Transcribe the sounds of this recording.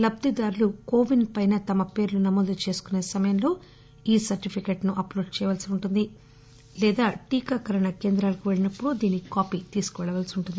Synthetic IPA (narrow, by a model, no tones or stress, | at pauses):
lɐb̚t̪id̪aːɾulukoːʋinpɐjnɐt̪ɐmɐpe̞ːɾulunɐmoːd̪ut͡ʃe̞ːsu̥kune̞ːsɐmɐjɐnlo̞ː | iːsɐɾʈipʰikeʈnuʔɐplo̞ːɖt͡ʃɛːjɐʋaːlsiuɳʈund̪i | lɛːd̪aːʈiːkaːkɐɾɐɳɐke̞ːnd̪ɾaːlɐkuʋe̞ɭinɐpːuɽud̪iːnːikaːpiːt̪iːsu̥kuʋɛɭɐʋaːlsiuɳʈund̪i